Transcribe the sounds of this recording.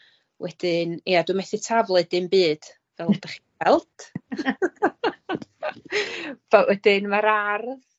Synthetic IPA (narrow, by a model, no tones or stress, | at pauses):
wʔɛd̥ɪniaduːmɛθɨtʰavlˠɨdɨmbɨːd̥ | v̥ɛlˠɔdaχ | ɛlˠd̥ | v̥aʔwɛdɪnmaɾarð